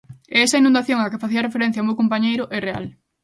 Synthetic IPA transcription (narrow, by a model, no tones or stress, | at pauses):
ɛɛsɐinũnd̪aθjoŋakefaθiɐrefeɾɛ̃n̟θjaumewkompaɲejɾʊʔɛrea̰l